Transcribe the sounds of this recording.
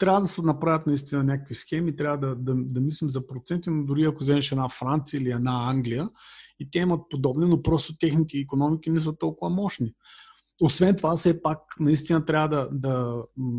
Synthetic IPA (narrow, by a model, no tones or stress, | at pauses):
t̪ɾʲavəd̪ɐsɛnɐpɾavʲət̪nɐist̪inɐnʲakəkvisxɛmiːt̪ɾʲavəd̪ɐd̪ɐd̪ɐmislimzɐpɾot̪sɛnt̪inod̪ʊɾiɐkʊzɛmɛʃɛd̪nafɾant̪sijəiliɛd̪aaŋɡlijəit̪ɛimɐt̪̚pod̪ɔbninopɾɔst̪ot̪ʲɛxnit̪ɛiːkonɔmik̟inɛsət̪ɔlˠkʊvɐmɔʃni | osvɛnt̪ovasɛpaknɐist̪inɐt̪ɾʲavəd̪ɐd̪ɐ